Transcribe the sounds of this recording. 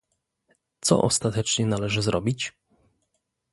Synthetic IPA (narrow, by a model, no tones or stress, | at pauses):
t̪sɔ̰ʔɔ̰st̪at̪ɛt͡ʂɲɛnalɛʐɘzɾɔbʲit͡ɕ